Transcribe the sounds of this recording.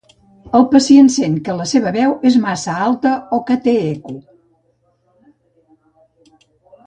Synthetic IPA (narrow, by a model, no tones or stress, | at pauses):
əlˠpəsiensenkələseβ̞əβɛwezmasəalˠt̪əokət̪eeku